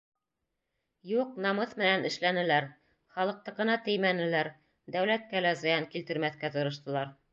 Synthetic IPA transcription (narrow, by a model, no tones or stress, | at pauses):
juq̚nɑmɤθmɘ̆nænɘ̆ʃlænɘ̆læɾ | χɑlˠɤ̆q̚t̪ɤqɤ̆nɑt̪ɘjmænɘ̆læɾ | d̪æwlæt̪̚kælæzɤ̆jɑŋkilt̪ɘ̆ɾmæθkæt̪ɤ̆ɾɤ̆ʃt̪ɤ̆lˠɑɾ